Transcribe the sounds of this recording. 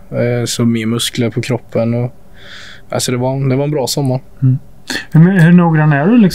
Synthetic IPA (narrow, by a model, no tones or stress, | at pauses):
sɔmɪːmɵskləɾpʰɔkʰɾɔpʰːənɔ | a̰sɔd̪ɛvaɾd̪ɛvaɾɛnbɾɑːsɔmːaɾ̩ː | hmhɵɳuːɡɾanːæɖɛlɪks